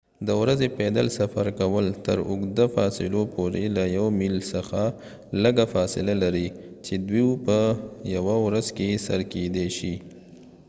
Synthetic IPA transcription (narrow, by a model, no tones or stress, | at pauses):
d̪əwɾazeped̪əlsafaɾkawəlt̪əɾʊɡd̪afɑsɪlopʰoɾelajawmilsəxa | ləɡafɑsɪlalaɾit͡ʃed̪wiwpəjawawɾazkesa̰ɾked̪eʃi